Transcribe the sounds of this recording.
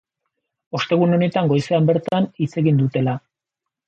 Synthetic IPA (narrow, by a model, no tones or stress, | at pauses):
o̞st̪e̞ɣ̞uno̞ne̞t̪aŋɡo̞jseambe̞ɾt̪anit͡se̞ɣind̪ut̪e̞la